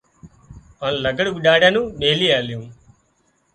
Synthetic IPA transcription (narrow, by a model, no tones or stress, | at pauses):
aːnlɐɡəɽuʋɪɗaːɽjaːnũːɗeːliːaːljũː